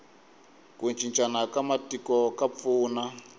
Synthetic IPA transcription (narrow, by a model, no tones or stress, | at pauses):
kunt͡ʃʰʼint͡ʃʼanakamatikɔkap̪fuːna